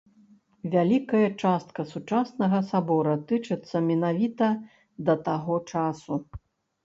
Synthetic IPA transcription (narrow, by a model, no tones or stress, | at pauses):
vʲalʲikɐjɐt͡ʂast̪kɐsut͡ʂasnɐɣɐsabɔɾɐt̪ɨt͡ʂɨt̪sːɐmʲɛnavʲit̪ɐ | d̪ɐt̪aɣɔt͡ʂasu